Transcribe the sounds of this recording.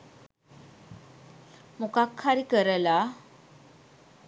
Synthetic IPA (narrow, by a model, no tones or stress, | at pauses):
mukakʰːaɾikəɾəla